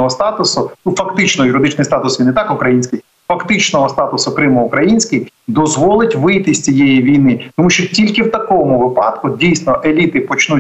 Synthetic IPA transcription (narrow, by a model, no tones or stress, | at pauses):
ɔɦɔst̪ɑt̪ʊsʊufɐkt̪ɪt͡ʃnɔɔjʊɾɪd̪ɪt͡ʃnɪjst̪ɑt̪ʊsʋʲinɪt̪ɑkʊkɾɐjinʲsʲkʲɪj | fɐkt̪ɪt͡ʃnɔɦɔst̪ɑt̪ʊsʊkɾɪmɔʊkɾɐjinʲsʲkɪjd̪ɔzʋɔlˠɪtʲʋɪjt̪ɪsʲt͡sʲijɛjiʋʲijnɪt̪ɔmuʃt͡ʃɔtʲilʲkɪwt̪ɐkɔmʊʋɪpɑd̪kʊdʲijsnɔʔelʲit̪ɪpɔt͡ʃnu